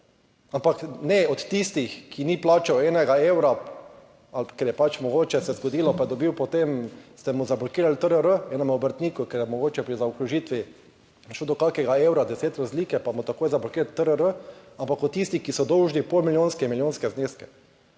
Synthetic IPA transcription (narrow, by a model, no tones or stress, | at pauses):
ampaknɛɔt̪ːist̪ixkiniplaːt͡ʃɛɛːnɛɡaeːwɾa | alkɛɾjɛpat͡ʃmɔɡoːt͡ʃɛsɛzɡɔd̪iːlɔpajɛd̪ɔbiwpɔt̪emst̪ɛmuzablɔkiːɾalt̪əɾəɾəɛːnɔmɔbəɾt̪niːkukɛɾjɛmɔɡoːt͡ʃɛpɾizaukɾuʒiːt̪ʋi | ʃod̪ɔkaːkɛɡaeːwɾad̪ɛseːt̪ɾazliːkɛpamut̪akoːjzablɔkiːɾalt̪əɾəɾəampakɔt̪̚ːist̪ixkisɔd̪ɔwʒnipolmilʲjoːnskɛmiljoːnskɛzneːskɛ̥